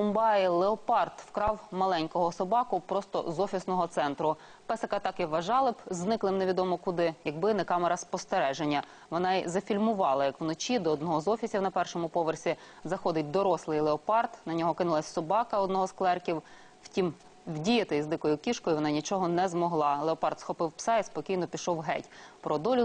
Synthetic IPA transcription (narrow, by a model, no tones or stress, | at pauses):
ʊmbɑjilˠeɔpɑrt̪wkɾɑwmɐlˠɛnʲkɔɦɔsɔbɑkʊpɾɔst̪ɔ̰zɔfʲisnɔɦɔt̪sɛnt̪ɾʊ | pɛsɐkɐt̪ɑkɪʋɐʒɑlˠɪbznɪklˠɪmneʋʲid̪ɔmɔkʊd̪ɪjɐɡ̚bɪnɛkɑmeɾɐspɔst̪eɾɛʒenʲːɐ | ʋɔnɑizɐfʲilʲmʊʋɑlˠɐjɐkwnɔt͡ʃʲid̪ɔɔd̪nɔɦɔzɔfʲisʲiwnɐpɛrʃɔmʊpɔʋersʲizɐxɔd̪ɪt̚ʲd̪ɔɾɔslˠɪjlˠeɔpɑrt̪nɐnʲɔɦɔkɪnɪlˠɐsʲsɔbɑkɐɔd̪nɔɦɔsklˠɛrkʲiw | wtʲim | wdʲijɐt̪ɪizd̪ɪkɔjʊkʲiʃkɔjʊʋɔnɑnʲit͡ʃɔɦɔnɛzmɔɦlˠɑlˠeɔpɑrt̪sxɔpɪwpsɑispɔkʲijnɔpʲiʃɔwɦɛ̰tʲpɾɔd̪ɔlʲʊ